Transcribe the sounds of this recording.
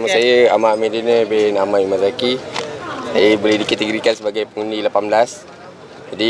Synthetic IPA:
məsajəa̰maʔmẽdinəbenamaʔimazaki | sajəbolehdikət̪əɡoɾikansəbaɡajpəŋundilapamblas | d͡ʒadi

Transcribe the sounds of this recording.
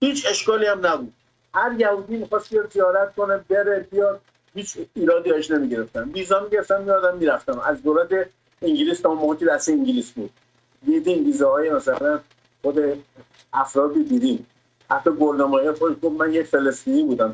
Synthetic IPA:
hiːt͡ʃʰe̞ʃkɒːliæmnæbud̪̥̚ | hæɾjæhuːd̪iːmixɒːst̪bijɒd̪zijɒːɾæt̪̚konebeɾebijɒd̪̚ | hiːt͡ʃiːɾɒːd̪iɒeʃnemiɟeɾeft̪ænviːzɒːmiɟeɾeft̪ænmijɒd̪æmːiːɾæft̪æmæzd̪oːlæt̪e | iŋɟiliːst̪ʰɒunmoːɣekʰed̪æst̪eiɲɟiliːsbuːd̪̥̚ | d̪id̪inviːzɒhɒːjemæsælæn | xod̪e | æfɾɒːd̪od̪id̪im | hæ̰ɾt̪ʰːɒɡoɾd̪omɒːjexoʃɡofmænjecfe̞lest̪iːniːbuːd̪æm

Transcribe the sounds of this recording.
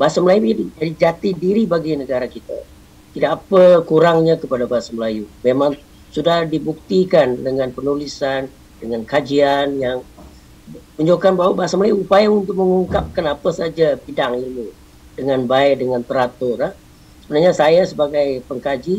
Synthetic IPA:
baɦasaməlajud͡ʒadid͡ʒadid͡ʒat̪idiɾibaɡinəɡaɾakit̪a̰ | t̪idaːpəkuɾaŋɲakəpadabaɦasaməlajumemaŋ | sudahdibuk̚t̪ikandəŋanpənulisan | dəŋankad͡ʒianjaŋ | məɲd͡ʒokanbawabaɦasaməlajuupajaunt̪ʊk̚məŋuŋkap̚kanapasad͡ʒapidaŋilu | dəŋanbaɪdəŋant̪əɾat̪oɾah | səbənarɲasajasəbaɡajpəŋkad͡ʒi

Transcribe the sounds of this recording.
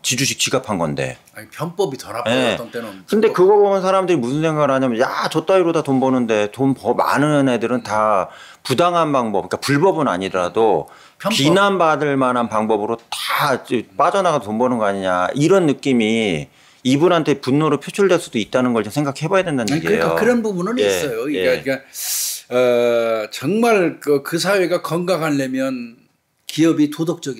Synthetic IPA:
t͡ɕid͡ʑuɕʰik̚t͡ɕiɡapʰanɡʌ̰nde̞̰ | pʰnp͈ʌbiʌje̞kɯnde̞kɯɡʌbʌmʌnsʰaɾamdɯɾimusʰɯnsʰe̞ŋɡaɡɯɭɦaɲiamjʌnjat͡ɕʌt͈aɾiɾodatombʌnɯnde̞tompʌma̰nɯnedɯɾɯnta | pudaŋɦanbaŋbʌpik͈apuɭbʌbɯna̰ɲidɯɾado | ppinanbadɯɭmanɦanpaŋbʌbɯɾotḁt͡ɕp͈ad͡ʑʌnaɡatombʌnɯnɡʌaɲiɲa̰ʔiɾʌnːɯk͈imi | ibunɦantʰe̞punːoɾɯpʰot͡ɕʰuɭdwe̞ɭs͈ud̥oit̚t͈anɯnɡʌɭt͡ɕomsʰeŋɡakʰihebʌjadwe̞ndanɡeḛjaokɯɾʌnbubunɯnies͈ʌjoieaka | ʌt͡ɕʌŋmaɭkɯkɯsʰaweɡakʌŋɡaŋanːemjʌn | kiʌbitodok̚t͡ɕ͈ʌɡi

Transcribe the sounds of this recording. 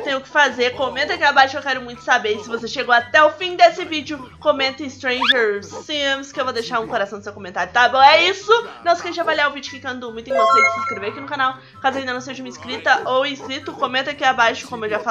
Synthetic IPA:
ewt̪ẽɲ̃ʊkɪ̥fazeɾkomẽnt̪ʊakiabajʃʊewkɛɾʊmũj̃t̪ʊ̥sabeɾsɪvoseʃeɡowat̪ɛʊfĩd̪esɪvid͡ʒʊkomẽnt̪ɪɪst̪ɾẽj̃ʒeɾimskɪewvod̪ejʃaɾũkoɾasɐ̃d̪ʊsewkomẽnt̪aɾjʊt̪abõw̃ɛisʊnɐ̃w̃skɛẽʒavajliaʊvid͡ʒʊkɪkɐ̃d̪ʊmũt̪ẽkõsejɪsɪ̃skɾeveɾakinʊkanaw | kazʊaĩd̪ɐnɐ̃w̃seʒɐũmɐiskɾit̪ɐʔowiskɾit̪ʊkõmẽnt̪akiabajʃʊkõmʊewʒafa

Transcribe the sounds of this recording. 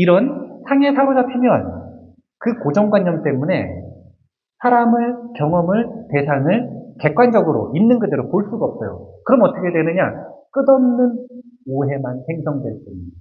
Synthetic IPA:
iɾʌnsʰaŋe̞sʰaɾod͡ʑapʰimjʌn | kɯkod͡ʑʌŋɡwaɲːʌmt͈e̞mune̞̰ | sʰaɾamɯɭkjʌŋʌmɯɭte̞sʰaŋɯɭke̞k̚k͈wand͡ʑʌɡɯɾo̰inːɯnɡɯde̞ɾopoɭs͈uɡaʌp̚s͈ʌjo̰kɯɾʌmʌt͈ʰʌkʰe̞dwe̞nɯɲa̰k͈ɯdʌmnɯnoɦe̞manse̞ŋsʰʌŋdwes͈ɯɲidaa

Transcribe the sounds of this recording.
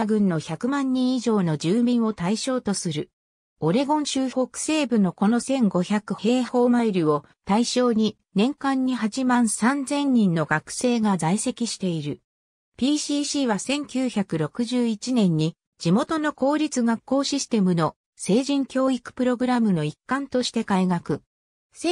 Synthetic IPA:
aɡɯ̟̃nːo̞çakɯ̟mãɲ̟ːĩɰ̃iʑo̞ːno̞d͡ʑɨːmʲĩɰ̃o̞t̪aiɕo̞ːt̪o̞sɨɾɯ̟ | o̞ɾe̞ɡõ̞ɰ̃ɕɨːho̞kɯ̟̥se̞ːbɯ̟no̞ko̞no̞sẽ̞ŋɡo̞çakɯ̟he̞ːho̞ːmaiɾɯ̟o̞ | t̪aiɕo̞ːɲ̟i | nẽ̞ŋkãɲ̟ːiɦaʑimãɰ̃sãnd͡zẽ̞ɲ̟ːĩnːo̞ɡakɯ̟̥se̞ːɡazaise̞kʲiɕi̥t̪e̞iɾɯ̟ | pʲiːɕiːɕiːβasẽ̞ŋkʲɨːçakɯ̟ɾo̞kɯ̟ʑɨːit͡ɕinẽ̞ɲ̟ːi | d͡ʑimo̞t̪o̞no̞ko̞ːɾʲit͡sɨɡakːo̞ːɕisɨ̥t̪e̞mɯ̟no̞ | se̞ːʑĩŋkʲo̞ːikɯ̟̥pɯ̟ɾo̞ɡɯ̟ɾamɯ̟no̞ikːãnt̪o̞ɕi̥t̪e̞kaiɡakɯ̟ | se

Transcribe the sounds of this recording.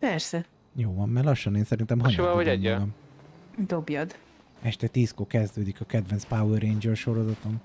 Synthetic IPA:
pɛrsɛ | joːvɒmːɛrlɒʃːɒneːnsɛɾint̪ɛmɦɒɲbɛvɒɛɛɡɒm | d̪objɒd̪ | ɛʃt̪ɛt̪iːskokɛzd̪øːd̪ikɒkɛd̪vɛnspawɛɾejɲd͡ʒørʃo̞ɾozɒt̪on

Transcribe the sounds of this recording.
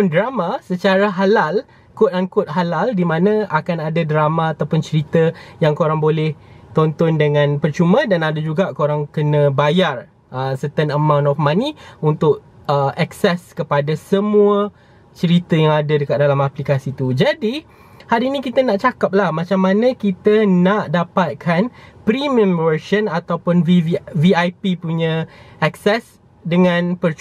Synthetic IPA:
ndɾamasət͡ʃaɾaɦalal | kʊt̪̚aŋkʊt̪̚ɦalaldimãnə̃akanadadɾamaːt̪awpʊnt͡ʃəɾit̪əjaŋkoɾaŋbolɛht̪ɔnt̪ɔndəŋãnpərt͡ʃumə̃danadad͡ʒuɡakoɾaŋkənə̃bajar | əsət̪ənəmãw̃ntɔfmaniunt̪ʊk̚ | əʔɛksɛskəpadasəmũə | t͡ʃəɾit̪əjaŋadadəkat̪̚dalamaplikasit̪ud͡ʒadi | halinĩkit̪ənaʔt͡ʃakap̚lahmat͡ʃamːãnə̃kit̪ənaʔdapat̪̚kʰanpɾimə̃mvəʃənat̪awpʊnviviajpipuɲə̃aksɛs | dəŋãnpərt͡ʃ

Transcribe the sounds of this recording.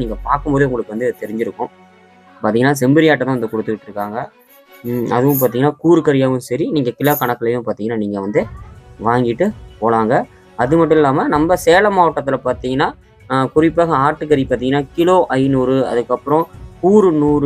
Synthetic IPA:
niːŋɡɐpaːɾkɯmboːðɯʊŋɡɐɭɯkːɯʋɐnd̪ɯt̪ɛɾɪɲd͡ʒɪɾɯkːʊ̃ | pːaːɾt̪iŋɡɐnːaːs̬ɛmbɪɾɪjaːʈ̬ːɐt̪ãːʋɐnd̪ɯkɔɽɯt̪ːɯkɪʈːɯɾɯkːaːŋɡɐ | ɐðɯʋʊ̃mpaːɾt̪iŋɡnːaːkuːɾɯkɐɾɪjaːʋɯ̃nsɐɾiniːŋɡɐkɪlɐkɐɳɐkːɐɭɐjʊ̃paːɾt̪iŋɡɐnːaːniːŋɡɐʋɐnd̪ɯʋaːŋɡɪʈːɯpoːlaːŋɡɐ | ɐðɯmɐʈ̬ːɯ̃ɪlːaːmɐnɐmbɐseːlɐmaːʋɐʈːɐt̪ːɪlɐpaːɾt̪iːŋɡɐnːaː | kʊrɪpːaːɣɐaːʈːɯkɐɾipaːɾt̪iːŋɡɐnːaːkɪloːʔɐɪnuːɾɯɐ̰ðɯkːɐpːɯɾɔ̃kuːɾɯnuːɾ

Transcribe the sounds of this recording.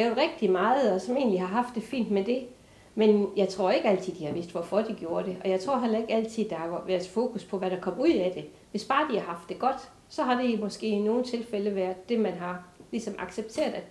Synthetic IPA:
ɛːʊð̩ˠʁɛɡ̥̚d̥imɑ̈ːð̩ˠɒ̽sɒ̽me̝̰ːnliɦɑ̈ɦɑ̈fd̥ːe̝fḭːnd̥med̥e̝ | menjɑ̈ɪt͡sʰʁo̝ɐe̝ɡ̥əæl̰t͡sʰið̰ˠd̥ihɑ̈ʋe̝sd̥ʋɒfɒd̥iɡ̥jo̝ːɐɾ̥e̝ʔɒ̽jɑ̈ɪt͡sʰʁo̝ɐɦel̰ɐe̝ɡ̥æl̰t͡sʰið̰ˠd̥ɑ̈hɑ̈ʋæːɐðˠfoːkuspʰɒ̽ʋæɾ̥ɑ̈kʰɒ̽muð̰ˠæd̥e̝ | ʋe̝sb̥ɑ̈ːd̥ihɑ̈hɑ̈fd̥ːe̝ɡ̥ɒ̽d̥ | sɒ̽ɦɑ̈d̥e̝mɒ̽sɡ̥e̝̰ːino̝ːn̩t͡sʰe̝lfeləʋæɐ̰ð̥ˠːe̝mænɦɑ̈lisɒ̽mʔɑ̈ɡ̥seb̥̚t͡sʰe̝̰ːɐðˠæ̥

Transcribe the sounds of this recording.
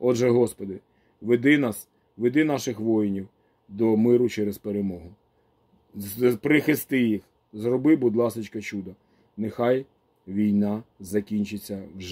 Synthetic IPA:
ɔdʒɛɦɔspɔd̪ɪ | ʋed̪ɪnɑs | ʋed̪ɪnɑʃɪxʋɔjnʲiw | d̪ɔmɪɾʊt͡ʃɛɾezpeɾemɔɦʊ | pɾɪxɪst̪ɪjix | zrɔbɪbʊd̪lˠɑsɪt͡ʃkɐt͡ʃud̪ɐ | nexɑj | ʋʲijnɑzɐkʲinʲt͡ʃɪt͡sʲːɐwʒ

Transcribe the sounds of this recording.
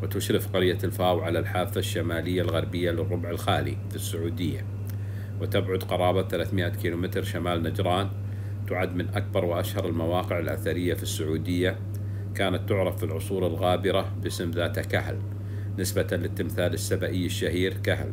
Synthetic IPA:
wɪt̪ʊʃɾɪfqɑɾjːalfaːwʕalalħaːfːaʃːamaːlɪjːalɣɑɾˤbɪjːalɪrˤːʊbʕɪlxaːlḭfisːʊʕuːd̪ɪjːa̰ | wɪt̪abʕʊd̪qɑɾˤɑːbaθalaːθmɪʔakiːlumɪt̪ɾʃamaːlnad͡ʒɾˤɑːn | t̪ʊʕad̪mɪnʔak̚bɑɾˤwɪʔaʃhɑɾˤɪlmawɑːqɪʕɪlʔa̰θaɾɪjːafisːʊʕuːd̪ɪjːa | kaːnat̪ːʊʕɾˤɑfːilʕʊsˤuːɾalɣaːbɪɾabɪsɪmðaːt̪akahl | nɪsbalɪt̪ːɪmθaːlɪsːabaʔɪːɪʃːahiːɾkahl

